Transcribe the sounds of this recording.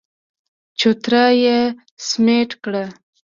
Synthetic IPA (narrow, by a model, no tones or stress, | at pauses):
t͡ʃut̪ɾaje | smeʈkɽa